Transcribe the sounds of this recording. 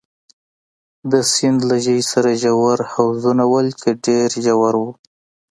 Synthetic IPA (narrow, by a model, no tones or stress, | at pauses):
d̪əsɪnd̪laʒəjsaɾaʒawaɾhawzunawəlkeɖeɾʒawaɾwu